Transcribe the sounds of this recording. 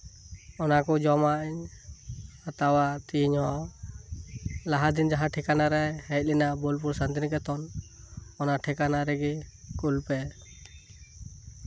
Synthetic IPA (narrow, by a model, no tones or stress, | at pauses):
ɔnakɔd͡ʒɔmaʔiɲ | at̪awaʔt̪iɲhɔ | laɦad̪ind͡ʒaɦãʈʰɛkanaɾɛhɛt̚linabɔlp̬uɾsand̪inkɛt̪ɔn | ɔnaʈʰɛkanaɾɛɡikulpɛ